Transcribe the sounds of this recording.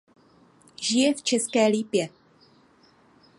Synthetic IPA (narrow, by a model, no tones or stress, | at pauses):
ʒɪjɛft͡ʃɛskɛːliːpjɛ